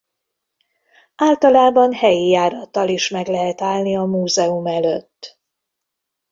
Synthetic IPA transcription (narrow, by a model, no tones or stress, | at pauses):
aːlt̪ɒlaːbɒnhɛjijaːɾɒt̪ːɒliʃmɛɡlɛɦɛt̪aːlniɒmuːzɛumɛløt̪ː